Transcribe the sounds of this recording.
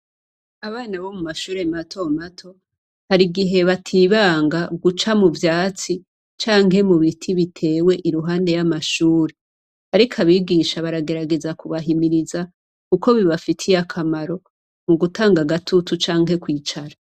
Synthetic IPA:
aβaːnaβo̞mumaʃuːɾematʰo̞matʰo̞ | haɾiɡiɦe̞βatʰiβaːŋɡaɡut͡ʃamuvjaːt͡si | t͡ʃaːŋɦe̞muβitʰiβitʰe̞ːwe̞ʔiɾuɦaːnde̞jamaʃuːɾe | haɾikʰaβiːɡiːʃaβaɾaɡe̞ɾaɡe̞zakuβaɦimiɾiza | kuko̞βiβafitʰijakʰamaɾo̞ | muɡutaːŋɡaɡatʰutut͡ʃaːŋɦe̞kwiːt͡ʃaɾa

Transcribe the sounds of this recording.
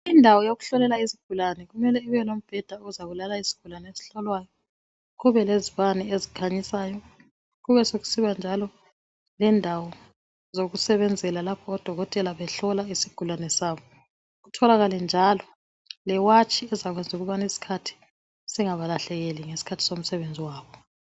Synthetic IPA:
indʱawɔjoɣuɬɔlɛlaiziɡ̥ʱulanɛɣumɛlɛiβɛlom̩b̥ʱɛd̥ʱauuzaβulalaisi̥ɡ̥ʱulanɛesi̥ɬɔlwaːjɔ | ɣuβɛleziβanɛezikʰaɲisaːjɔ | ɣuβɛsoɣu̥siβand͡ʒʱalɔ | lɛndʱawɔ | zoɣusɛβɛnd͡zʱɛlalapʰɔːd̥ʱɔɣɔtʼɛlaβɛɬɔlaisiɡ̥ʱulanɛsaːβɔ | ɣutʰɔlaɣalɛnd͡ʒʱalɔ | lɛwat͡ʃʼʰiɛzaɣwɛnd͡zʱuɣuβanisi̥kʰatʰi̥ | sɛŋaβalaɬɛɣɛliŋesi̥kʰatʰi̥som̩sɛβend͡zʱiwaːβɔ

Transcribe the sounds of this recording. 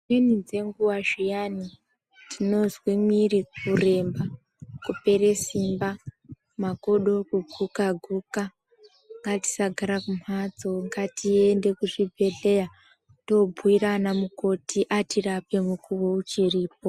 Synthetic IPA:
winid͡ze̞ŋɡuwaʒijani | tʰino̞zwimwirikure̞mba | kupe̞ɾesimba | mako̞ɗo̞kuɡʱukaɡʱuka | ŋɡati̥saɡʱaɾakumad͡zo̞ŋɡatie̞nde̞kuʐibʱe̞ɮeja | to̞bʱuwiranamuko̞tʰiʔatirape̞mukuwo̞ut͡ʃiriːp̚o̞

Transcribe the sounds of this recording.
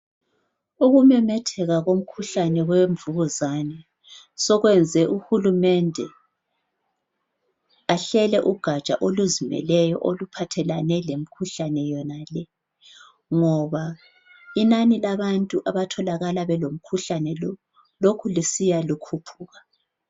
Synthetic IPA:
uɣumɛmɛtʰɛɣaɣom̩kʰuɬanɛɣweɱvuɣuzanɛ | sɔɣwɛnd͡zʱɛʔuxulumɛndʱɛ | aɬɛlɛʔuɡ̥ʱat͡ʃʼa̰ʔoluzimɛ̰lɛjɔʔolupʰatʰɛlanɛlem̩kʰuɬanɛjɔnalɛ | ŋɔβa | inanilaβantʼuʔaβatʰɔlaɣalaβɛlom̩kʰuɬanɛ | lokʰulisijalukʰupʰuːɣa

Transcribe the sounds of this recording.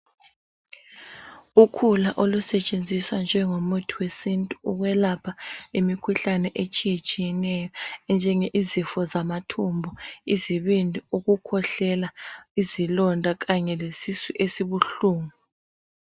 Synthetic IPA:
ukʰulaʔolusɛt͡ʃʼend͡zʱiswand͡ʒʱɛŋomutʰiwesintʼuuɣwɛlapʰaimikʰuɬanɛʔet͡ʃʼijet͡ʃʼijɛnɛjɔɛnd͡ʒʱɛŋeʔizifɔzamatʰumbʱɔiziβindʱiuɣukʰɔɬɛlaizilɔndʱaɣaɲɛlesisiʔesiβuɬuːŋu

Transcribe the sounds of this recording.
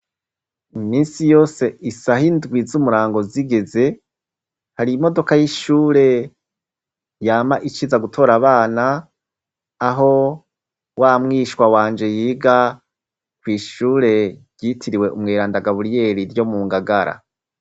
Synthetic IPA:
imiːnsijo̞ːse̞isahindɡwizumuɾaːŋɡo̞ziɡe̞ze̞ | haɾimo̞do̞kajiʃuːɾe̞ | jaːmaʔit͡ʃizaɡutʰo̞ɾaβaːna | ɦo̞ | wamŋiːʃwawaːnd͡ʒe̞jiːɡa | kwiːʃuːɾe̞ɾjitʰiɾiwe̞ʔumŋeːɾaːndaɡaβuɾije̞ɾiɾjo̞muːŋɡaɡaɾa̰

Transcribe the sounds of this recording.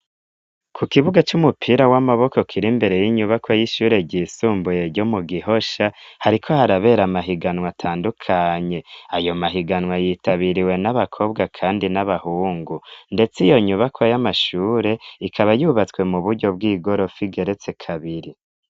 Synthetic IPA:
kʰukiβuɡat͡ʃumupʰiɾawamaβo̞ko̞kʰiɾimbe̞ɾe̞jiɲuβakwajiʃuːɾe̞ɟiːsuːmbuje̞ɾɟo̞muɡiɦo̞ʃahaɾikʰo̞haɾaβe̞ːɾamaɦiɡanwatʰaːndukʰaɲe̞ajo̞maɦiɡanwajiːtaβiɾiwe̞naβakʰo̞ːbɡakʰaːndinaβahuːŋɡunde̞t͡sijo̞ɲuβakʰwajamaʃuːɾe̞ikʰaβajuβat͡swe̞muβuɾɟo̞b̚ɡiːɡo̞ɾo̞fiɡe̞ɾe̞t͡se̞kʰaβiɾi

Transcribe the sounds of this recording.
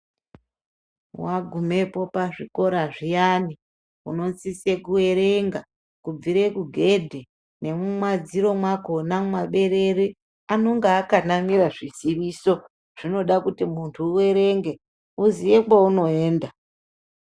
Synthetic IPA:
waɡʱume̞po̞paʐiko̞ɾaʐijani | ṵno̞nsise̞kuwe̞ɾe̞ŋɡa | kub͡viɾe̞kuɡʱe̞dʱe | ne̞mumwad͡ziɾo̞mwakonamwaɓe̞ɾe̞ɾi | ano̞ŋɡaːkanamiɾaʐiziʋiso̞ | ʐ̥ino̞ɗakutimuntʰuːwe̞ɾe̞ŋɡe | uzije̞kwauno̞e̞ːnda

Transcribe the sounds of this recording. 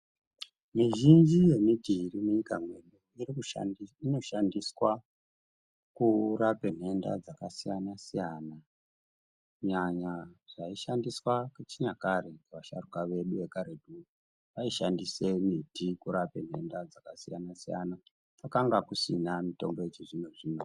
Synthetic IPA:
miʒind͡ʒije̞midirimeɲikamwe̞ɗuirikino̞ʃandiswa | kurape̞n̤e̞nda̰d͡zakasijanasijana | ɲaɲaʐ̥aiʃandiswaket͡ʃiɲakaɾe̞kʋaʃarukaʋe̞ɗuʋe̞kaɾedu | ʋaiʃandise̞mitikuɾapen̤e̞̰ndad͡zakasija̰nasija̰na | pakaŋɡakusinamito̞̰mbo̞et͡ʃiʐinoʐiːno

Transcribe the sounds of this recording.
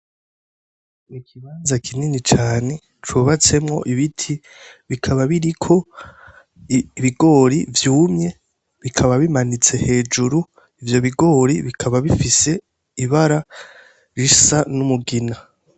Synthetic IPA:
ikʰiβaːnzakʰininit͡ʃaːne̞ | t͡ʃuːβat͡se̞mŋo̞̰ʔiβitʰi | βikʰaβaβiɾikʰo̞ | βiɡo̞ːɾivjuːmɲe̞ | βikʰaβaβimanit͡se̞he̞ːd͡ʒuɾu | ivjo̞βiɡo̞ːɾiβikʰaβaβifise̞ | iβaɾa | ɾisanumuɡina

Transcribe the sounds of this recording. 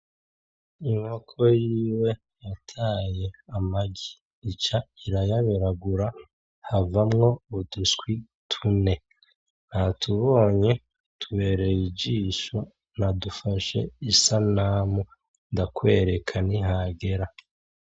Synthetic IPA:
iŋokʰo̞jiːwe̞ | jatʰaːje̞amaɡiː | t͡ʃaiɾajaβeɾaɡuɾa | havamŋo̞uduskwi | tʰune̞ | nahatʰuβo̞ːɲe̞ | tʰuβe̞ɾejiɟiʃo | nadufaʃe̞̰isanaːmu | ndakwe̞ːɾe̞kʰaniɦaɡe̞ɾa

